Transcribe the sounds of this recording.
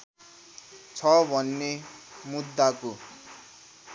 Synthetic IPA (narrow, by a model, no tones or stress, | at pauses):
t͡sʰʌbʱʌnːemud̪ːako